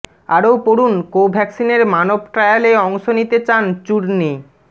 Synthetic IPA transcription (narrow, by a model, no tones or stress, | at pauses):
aɾowpoɽunkobʱɛksineɾmanob̚ʱʈɾajaleɔŋʃonit̪et͡ɕant͡ɕuɾni